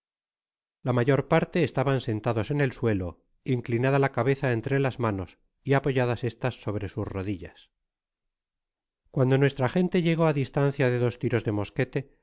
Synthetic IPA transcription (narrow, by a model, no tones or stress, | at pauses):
lamaʝo̞ɾpaɾt̪e̞ːst̪aβanse̞nt̪aðo̞se̞ne̞lswe̞lo̞ | iŋklinaðalakaβe̞θae̞nt̪ɾe̞lazmano̞s | iapo̞ʝaðase̞st̪asːo̞βɾe̞suzro̞ðiʎas | kwand̪o̞nwe̞st̪ɾaχe̞nt̪e̞ʎe̞ɣ̞o̞aðist̪anθjaðe̞ðo̞st̪iɾo̞zðe̞mo̞ske̞t̪e̞